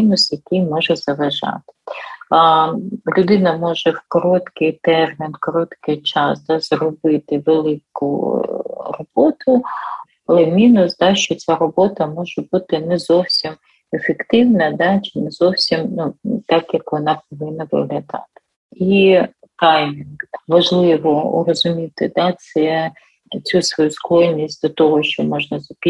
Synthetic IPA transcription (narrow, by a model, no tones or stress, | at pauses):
inʊsjɐkɪjmɔʒɛzɐʋɐʒɑ̰t̪ɪ̥ | lʲʊd̪ɪnɐmɔʒɛwkɔɾɔt̪kɪjt̪ɛrmʲinkɔɾɔt̪kɪjt͡ʃɑsd̪ɑzrɔbɪt̪ɪʋelˠɪkʊ̰ | rɔb̥ɔt̪ʊ | lˠɛmʲinʊsd̪ɑʃt͡ʃɔt͡sʲaɾɔbɔt̪ɐmɔʒɛbut̪ɪnɛzɔwsʲim | efekt̪ɪwnɐd̪ɑt͡ʃɪnɛzɔwsʲimnut̪ɑkjɐkʋɔnɑpɔʋɪnːɐʋɪ̰ɦlʲɐd̪ɑ̰t̪ɪ̥ | i | t̪ɑjmʲinʋɐʒlˠɪʋɔrɔzʊmʲit̪ɪd̪ɑt̪sɛ | t͡sʲusʋɔjuskˠɔlʲnʲisʲtʲd̪ɔt̪ɔɦɔʃt͡ʃɔmɔʒnɐzɐpʲi